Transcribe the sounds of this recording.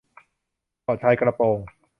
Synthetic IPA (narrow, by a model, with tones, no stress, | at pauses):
pɔː˨˩t͡ɕʰa˧jkɾa˧poː˧ŋ